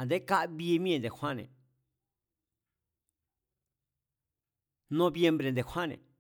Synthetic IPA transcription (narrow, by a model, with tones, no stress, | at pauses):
nd̪e˦ka˦ʔβi˦˧mĩ˦ẽ˧˨nd̪e˨hʷwʷã˦nḛ̃˨ | nõ˧βje˧mbɾe˨nd̪e˨xʷwʷã˦nḛ̃˨